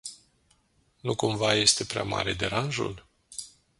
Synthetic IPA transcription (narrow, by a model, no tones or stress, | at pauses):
nukumvaje̞st̪e̞pɾea̰ma̰ɾe̞d̪e̞ɾanʒṵl